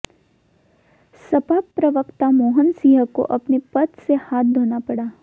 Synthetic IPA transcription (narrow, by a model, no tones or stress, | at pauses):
sɐpak̚pɾɐʋəkt̪amoːɦənsiːɦəko̰ʔɐpnepɐt̪sehaːt̪̚ʰd̪ʱoːnapɐɽaː